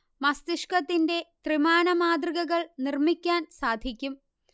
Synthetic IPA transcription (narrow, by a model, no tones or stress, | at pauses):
mɐst̪iʂkɐt̪ːinde̞t̪rimaːɳɐmaːd̪riɣɐɣɐɭnirmikʲːaːnsaːd̪ʱikʲːum